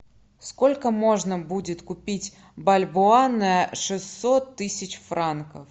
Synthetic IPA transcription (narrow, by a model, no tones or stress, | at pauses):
skolʲkəmo̞ʐnəbudʲɪt̪kʊpʲitʲ | bɐlʲbʊanːəjəʂɨsːot̪ːɨsʲɪt͡ɕfrankəf